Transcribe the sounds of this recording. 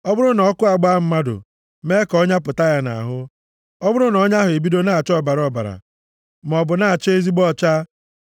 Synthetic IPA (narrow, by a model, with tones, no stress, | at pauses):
ɔ˦bʊ˦ɾʊ˦nɔ˨˦kʊ˦a˨ɡ͡ba˦m̩˦ma˦dʊ̰˨ | me˦kɔ˦ɲa˦p̬ʊ˨ta˦ja˦na̰˨ɦʊ˦ | ɔ˦bʊ˦ɾʊ˦nɔ˦ɲa˦ɦʊ˨e˨bi˦do˦na˦˨a˨t͡ʃɔ˦ba˨ɾɔ˨ba̰˨ɾa̰˨ | m˨ɔ˨bʊ˨na˨t͡ʃe˦e˦zi˦ɡ͡bɔ˦t͡ʃa˦